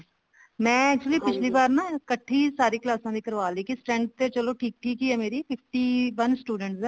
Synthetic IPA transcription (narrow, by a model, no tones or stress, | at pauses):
mɛ̃ːɛːk̚t͡ʃuəliːpɪt͡ʃʰliːbaːɾnaːkəʈʰːiːsaːɾiːklaːsãːd̪ɪkəɾʋaːleːkisʈɛ̃ːɳɖ̚t̪et͡ʃəloːʈʰiːk̚ʈʰiːkiːɛːmeːɾiːpʰɪpʰʈiːʋənsʈuːɖə̃ɳʈsɛː